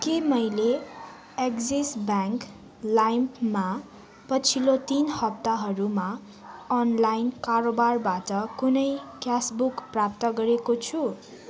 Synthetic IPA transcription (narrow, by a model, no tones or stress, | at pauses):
kemʌjle | ekd͡zisbaŋk | lajmpma | pʌt͡sʰilot̪inhʌp̚t̪aɦʌɾuma | ʌnlajnkarobarbatʌkunʌjkjasbukprap̚t̪ʌɡʌɾekot͡sʰu